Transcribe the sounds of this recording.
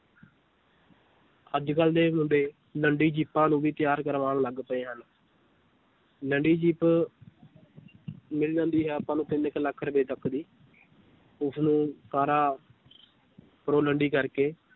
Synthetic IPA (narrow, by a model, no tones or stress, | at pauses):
əd͡ʒkəld̪eːmʊɳɖeː | ləɳɖiːd͡ʒiːpːãːnũːʋiːt̪ɪjaːɾkəɾʋaːɽləɡpəeːɦən | ləɳɖiːd͡ʒiːp | mɪld͡ʒãːnd̪iːɦɛːapãːnũːt̪ɪnɪkləkʰːɾəbeːt̪əkʰːd̪iː | ʊsnũːkaːɾãː | pɾoːləɳɖiːkəɾkeː